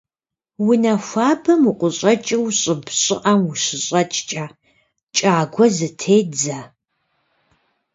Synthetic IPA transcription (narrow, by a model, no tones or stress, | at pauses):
wʊnɐxʷaːbɐmuqʷʊɕʼɐt͡ʃʼɪwɕʼɪbɕʼɪ̰ʔɐmwʊɕɪɕʼɐt͡ʃʼt͡ʃʼaː | t͡ʃʼaːɡʷɔzɨtʰeːd͡za